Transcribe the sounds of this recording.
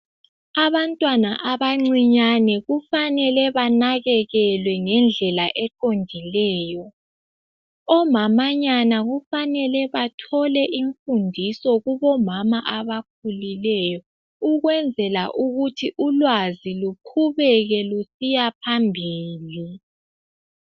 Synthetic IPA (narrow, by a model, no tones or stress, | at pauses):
aβantʼwanaʔaβaŋ͡ǀiɲanɛɣufanɛlɛβanaɣɛɣɛlwɛŋɛnd͡ɮʱɛlaʔɛǃondʱilɛːjɔ | ɔmamaɲanaɣufanɛlɛβatʰɔlɛʔiɱfundʱisɔɣuβɔmamaʔaβak̚ʰulilɛjɔ | uɣwɛnd͡zʱɛlaʔuɣutʰiʔulwazilukʰuβɛɣɛlusijapʰambʱiːli